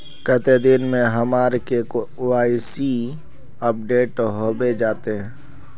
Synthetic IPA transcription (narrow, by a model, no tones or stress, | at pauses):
kət̪ed̪inmẽɦəmaːɾkek | oːaːisi | əp̚ɖeːʈɦoːbed͡ʒaːt̪eɦɛ̃ː